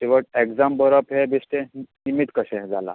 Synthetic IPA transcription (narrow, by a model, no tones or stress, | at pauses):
t̪iʋəʈ̚ekd͡zambəɾəpɦɛbisʈẽnimit̪kəɕɛ̃d͡zala̰